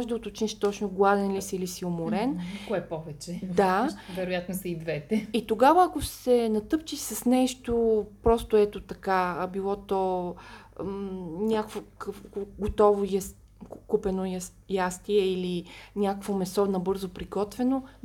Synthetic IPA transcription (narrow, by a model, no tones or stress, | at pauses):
ɔʒd̪ɐot̪ot͡ʃniʃt̪ɔt͡ʃnʊɡlˠad̪ɛnlisiilisiomʊɾɛnkoɛpɔvɛt͡ʃɛd̪avɛɾojat̪nosɛid̪vɛt̪ɛit̪oɡavəɐkʊsɛnɐt̪ɤp̚t͡ʃiʃsɐsnɛʃt̪opɾɔst̪ʊɛt̪ot̪ɐkabilˠɔt̪ɔ | nʲakvokɡot̪ɔvoj | kupɛno | jast̪iɛilinʲakkvomɛsɔnɐbɤɾzopɾiɡɔt̪vɛno